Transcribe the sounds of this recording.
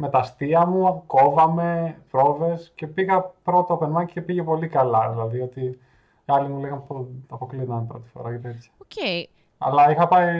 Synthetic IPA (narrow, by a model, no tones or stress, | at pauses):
me̞t̪ɐst̪iɐmuɐko̞vɐme̞pɾo̞ve̞sce̞piɣɐpɾo̞t̪opeɾmɐcice̞piʝe̞po̞likɐlɐðilɐðiʝot̪i | ɐlimuleɣɐmpoɐpoklinɐmepɾo̞̰t̪i̥fo̞̰ɾɐʝɐt̪iet̪ɐ̥ce | ɐ̰lɐixɐpɐi